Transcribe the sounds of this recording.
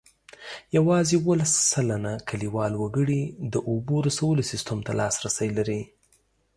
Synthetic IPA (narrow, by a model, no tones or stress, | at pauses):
jawɑzewolasːalanakʰaliwɑlwaɡəɽid̪əʔoboɾasawəlosɪst̪əmt̪alɑsɾasajlaɾi